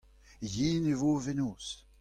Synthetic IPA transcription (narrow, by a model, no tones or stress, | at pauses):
jiːnevovenoːs